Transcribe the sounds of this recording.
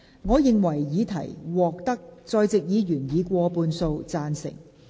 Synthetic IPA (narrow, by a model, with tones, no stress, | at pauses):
ŋɔː˨˧jɪ˨ŋwɐ˨˩jjiː˨˥t̪ʰɐ˨˩jwɔː˨k̚t̪ɐ˥k̚t͡sɔː˧jt͡sɪ˨k̚jiː˨˧ɥyː˨˩njiː˨˧kʷɔː˧puː˧nso˧wt͡saː˧nsɪ̰˨˩ŋ